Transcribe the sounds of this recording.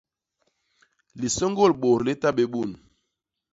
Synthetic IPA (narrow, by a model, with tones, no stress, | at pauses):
li˨so˦ŋɡo˦˨lɓo˨ɾle˦ta˦ɓe˨ɓu˦˨n